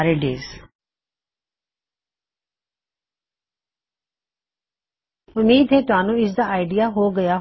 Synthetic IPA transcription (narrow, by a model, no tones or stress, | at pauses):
ɾeːɖḛːz | ʊmiːd̪ɦeːt̪ʊɦaːnũːɪsd̪aːʔaːɪɖɪjaːɦoːɡəjaː